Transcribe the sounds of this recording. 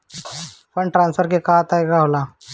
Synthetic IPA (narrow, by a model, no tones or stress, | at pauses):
pəɳʈɾãnsfəɾkekat̪ajɡaɦola